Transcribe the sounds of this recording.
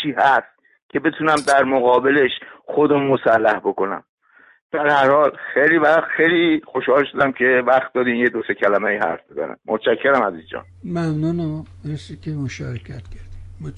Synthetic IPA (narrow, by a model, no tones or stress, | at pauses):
t͡ʃʰiːhæst̪̚ | cʰe̞be̞t̪ʰunæmd̪æɾmoɣɒːbe̞le̞ʃχod̪omːosælːæhbo̞ko̞næ̰m | d̪̥æɾhæɾhɒːlxejlivæxt̪xejliːxoʃhɒːlʃod̪æmcʰe̞væxt̪̚d̪ɒːd̪imjed̪ose̞cʰælæmæjihæ̰ɾfbezæ̰næ̰mmʔot̪ʃækʰːeɾæmæziːzd͡ʒɒ̰ːnmæmnunæmbesikʲʰemoʃɒːɾecʰæt̪cʲʰæɾd̪im